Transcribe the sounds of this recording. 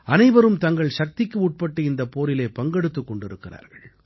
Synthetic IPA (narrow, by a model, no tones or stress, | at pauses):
ɐnɐɪʋɐɾɯmt̪ɐŋɡɐɭʂɐk̚t̪ɪkːɯuʈ̚pɐʈːɯɪnd̪ɐpoːɾɪleːpɐŋɡɛɽɯt̪ːɯkːɔɳɖɪɾɯkːɪra̰ːɾɣɐɭ